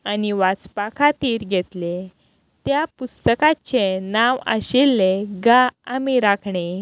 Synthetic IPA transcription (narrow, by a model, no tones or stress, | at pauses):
aniʋat͡spakʰat̪iːɾɡʱet̪le | t̪japust̪əkat͡ɕenaʋə̰ɕilːeɡaamiɾakʰɳe